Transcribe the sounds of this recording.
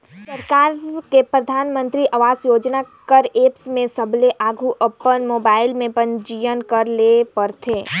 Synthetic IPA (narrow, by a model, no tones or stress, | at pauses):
səɾkaːɾkepɾɐd̪ʱaːnmə̃nt̪ɾiʔɐʋaːzjoːd͡ʒnakəɾeːpsmẽsəbʱleʔaːɡʱuʔəpənmoːbaːɪlmẽpə̃ɲd͡ʒijənkəɾlepəɾt̪ʰeː